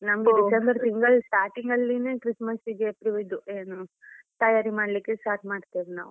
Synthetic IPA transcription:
nɐmɡedisembɐɾt̪iŋɡɐlsʈaːɾʈiŋɡɐlːineːkɾismɐsiɡeɐpɾiʋid̪ueːnut̪ɐjaːɾimaːɽlikːesʈaːɾʈmaːɖt̪iːʋina̰ːʋu

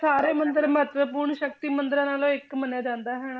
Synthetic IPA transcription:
saːɾeːmənd̪əɾmət̪ʋəpuːɾɳʃəkt̪iːmənd̪ɾãːnaːlõːɪkməneːd͡ʒãːnd̪aːɦɛːnː

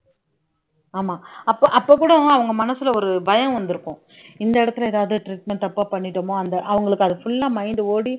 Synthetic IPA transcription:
aːmaːɐpːoːʔɐpːoːkːuːɽɐɐʋɐŋɡɐmɐnɐsɪlɐɔɾɯbɐjɐ̃ʋɐnd̪ɯɾɯkːʊ̃ | ɪnd̪ɐɪɽɐt̪ːɯleːðaːʋɯðɯʈɾiːʈmɛɳʈ̪ɐpːaːpɐɳːɪʈːɐmoːɐnd̪ɐʔɐʋɐŋɡɐɭɯkːɐðɯfʊɭːaːmɐɪnd̪ɯoːɽi

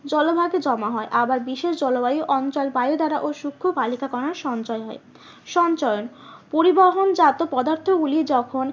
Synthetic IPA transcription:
d͡ʑɔlobʱaɡed͡ʑɔmaɦɔeʔabaɾbiʃeʃd͡ʑɔlobaoʔɔnt͡ɕɔlbajod̪aɾaʔoʃukʰːobalikakɔɾaɾʃɔnt͡ɕɔeɦɔe | ʃɔnt͡ɕɔjon | poɾibaɦond͡ʑat̪opɔd̪aɾt̪ʰoɡulied͡ʑɔkʰon

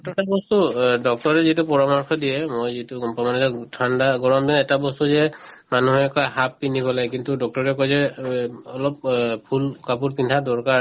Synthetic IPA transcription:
tɔtabɔstudɔk̚tɔɹɛzitupɔɹamɔɹkʰɔdijɛmojzitupɔmanɛzɛtʰandaɡɔɹɔmbinɛtabɔstuzɛmanuɦɛkɔaɦapːinipɔlajkintudɔk̚tɔɹɛkɔjzɛ | ɔlɔp̚pʰulkapuɹpintʰadɔɹkaɹ

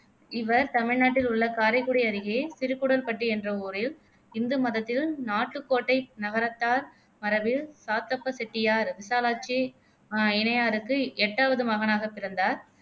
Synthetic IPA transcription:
ɪʋɐɾt̪ɐmɪɻnaːʈːɪlʊɭːɐkaːɾɐɪkːuːɽɐɐɾɪɣeːsɪɾɯkːuɽɐlpɐʈːɯɛndrɐuːɾɪl | ɪnd̪ɯmɐðɐt̪ːɪlnaːʈːɯkːoːʈːɐɪnɐɣɐɾɐt̪ːaːɾ | mɐɾɐbɪlsaːt̪ːɐpːɐsɛʈːɪjaːɾʋɪsaːlaːt͡ʃːi | ɪɳɐjaːɾɯkːɯɛʈːaːʋɐðɯmɐɣɐnaːɣɐpɪɾɐnd̪aːɾ

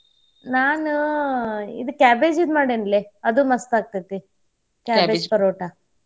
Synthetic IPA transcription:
naːnu | ḭd̪ukʲaːbeːd͡ʒid̪maːɽenleɐd̪umɐst̪aːɡ̚t̪it̪ːi | kʲaːbed͡ʒpɐɾoːʈa

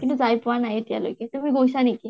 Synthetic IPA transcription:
kint̪ud͡zajpʋanajet̪ja̰lo̰ket̪əɾmiɡojsaneki

